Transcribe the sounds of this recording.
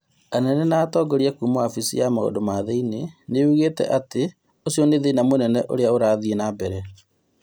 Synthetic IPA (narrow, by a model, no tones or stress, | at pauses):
anɛnɛnaːtɔːɡoɾiakumoafisḭjamao̰domaðeineneuɣetɛ̰ʔate | osjɔneðenamonɛnɛʔo̰ɾeaoɾaːðienabɛɾɛ